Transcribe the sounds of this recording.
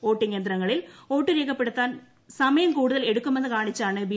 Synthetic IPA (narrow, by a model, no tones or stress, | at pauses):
oːʈːiŋend̪ɪɾɐŋɡɐɭɪloːʈːɨɾeːɣɐpːeɽɯt̪ːaːn | sɐmɐjɐmkuːɽɯðɐlɛɽɯkːɯmend̪ɯkaːɳit͡ʃːaːɳɨbi